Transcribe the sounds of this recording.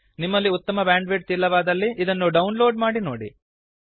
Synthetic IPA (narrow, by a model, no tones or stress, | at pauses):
nimːɐlːiut̪ːɐmɐbaːɳɖʋeʈ̚t̪iːlːɐʋaːd̪ɐlːiʔːd̪ɐnːuɖɐwunloːɖmaːɽinoːɽḭ